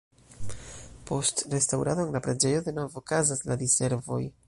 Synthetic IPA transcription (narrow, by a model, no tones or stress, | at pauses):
po̞stre̞stawɾaðo̞eŋlapɾad͡ʒe̞jo̞ðe̞no̞vokazaslad̪ise̞ɾvo̞̰j